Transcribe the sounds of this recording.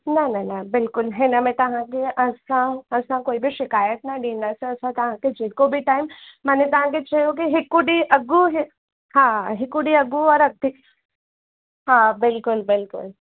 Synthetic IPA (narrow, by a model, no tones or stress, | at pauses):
nɐnɐnɐbɪlkʊlɦɛnɐmɛ̃t̪ɐɦãkeʔɐsãɐsãkoːibʱiʃɪkaːjət̪nɐɖĩdasẽɐsʰãt̪ɐɦãked͡ʒikobʱiʈaːɪmːɐnẽt̪ɐɦãk̬et͡ʃɐjok̬iɦɪkːuɖiʔɐɡuɦ | ɦãːɦɪkuɖiɐɡːuɔːɾɐɡ̚d̪i | ɦãːbɪlkʊlbɪlkʊ̰l